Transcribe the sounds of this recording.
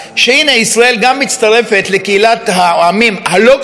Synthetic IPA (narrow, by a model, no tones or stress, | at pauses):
ʃeine̞isʁae̞lɡamːit͡st̪aʁe̞fe̞t̪le̞keilat̪haoamimhalo̞